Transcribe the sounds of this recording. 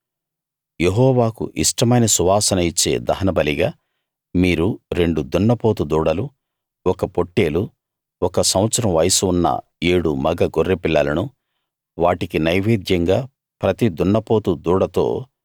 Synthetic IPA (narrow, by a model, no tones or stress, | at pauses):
je̞ɦɔːʋaːkṵʔiʂʈɐmɐjnɐsuʋaːsɐnɐit͡ʃːe̞̰ːd̪ɐɦɐnɐbɐliɡaː | miːɾuɾe̞ɳɖud̪uɳːɐpo̞ːt̪ud̪uːɽɐlu | ɔkɐpo̞ʈːe̞ːlu | ɔkɐsɐw̃ɐt̪sɐɾɐmʋɐjɐsuunːɐ̰ | eːɽumɐɡɐɡorːepilːɐlɐnu | ʋaːʈikinɐjʋeːd̪jɐŋɡaː | pɾɐt̪id̪uɳːɐpo̞ːt̪ud̪uːɽɐt̪o̞̰ː